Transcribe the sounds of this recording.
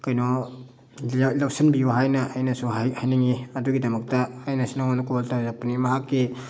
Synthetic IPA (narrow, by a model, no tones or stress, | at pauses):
kɐjnɔ | lawsɐnbijuɦajnɐʔajnɐsuɦahajnɐŋiɐduɡidɐmɐk̚tɐːjnɐsunawanukubaltazak̚pɐnimɐɦakːi